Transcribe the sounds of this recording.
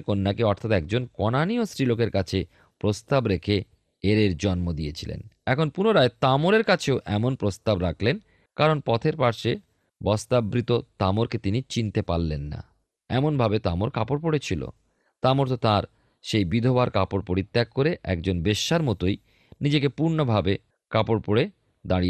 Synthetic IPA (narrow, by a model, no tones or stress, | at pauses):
konːakeɔɾt̪ʰat̪ɛk̚d͡ʑonkɔnaniosɾilokeɾkat͡ɕʰe | pɾost̪abɾekʰe | eɾeɾd͡ʑɔnmod̪ijet͡ɕʰilḛnɛkʰonpunoɾaet̪amoɾeɾkat͡ɕʰeoʔɛmonpɾost̪abɾakʰlen | kaɾonpɔt̪ʰeɾpaɾʃe | bɔst̪abɾit̪ot̪amoɾket̪init͡ɕint̪epalːenːa̰ | ɛmonbʱabet̪amoɾkapoɾpoɽet͡ɕʰilo̰ | t̪amoɾt̪ot̪aɾ | ʃejbid̪ʱobaɾkapoɾpoɽit̪ːakkːoɾeʔɛ̰k̚d͡ʑonbeʃːaɾmɔt̪oj | nid͡ʑekepuɾnobʱabe | kapoɾpoɽe | d̪aɽi